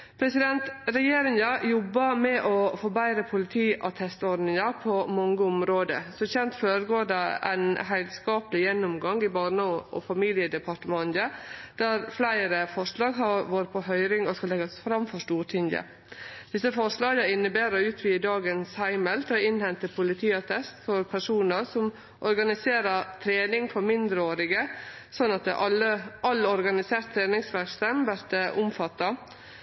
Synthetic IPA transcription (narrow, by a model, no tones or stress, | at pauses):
pʰɾɛsɪd̪ɛnt̪ɾɛjeːɾɪŋɑjɔbːɑmɛʔɔfɔːbæɪɾəpʰʊlɪt̪ʰiːʔɑt̪ʰɛst̪ɔɾɖnɪŋɑpʰɔmɔŋɡəʊmɾoːd̪ə̰sɔçɛnt̪føːɾəɡoːdɛæ̰ɪnɦæɪd̪skɑːpəlɪjɛnːɔmɡɑŋɪbɑːɳɔʔɔ̰fɑmiːljəd̪ɛpʰɑʈəmɑnəd̪̥æɾflæɪɾəfɔʂlɑːɡɦɑɾʋoːɾpʰɔhœʏɾɪŋɔskɑlɛɡɑsfɾɑmfɔʂtuːʈʰɪŋə̰ | d̪̥ɪsəfɔʂlɑːɡəɪnːəbæːɾəʉːt̪ʰʋiːəd̪ɑːɡənshæɪməlt̪ɑɪnhɛnt̪əpʰʊlɪt̪ʰiːɑt̪ʰɛst̪fɔɾpʰæʂuːnəɾsɔm | ʔɔɾɡɑnɪseːɾət̪ʰɾeːnɪŋfɔɾmɪnd̪ɾəoːɾɪɡə | sɔnːɑt̪̚d̪ɛʔɑləʔɑlːɔɾɡɑnɪseːɾt̪ʰːɾeːnɪŋsʋæɾkst̪əmʋæɾt̪əʔʊmfɑt̪ːɑ